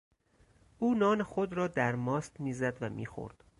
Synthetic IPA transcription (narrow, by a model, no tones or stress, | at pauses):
ʔuːnɒːne̞xod̪ɾɒːd̪æɾmɒːst̪miːzæd̪væmḭːxo̰ɾd̪̥